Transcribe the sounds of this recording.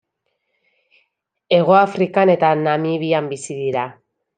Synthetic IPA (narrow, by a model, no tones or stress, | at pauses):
e̞ɣ̞o̞afɾikane̞t̪anamiβiambisiðiɾa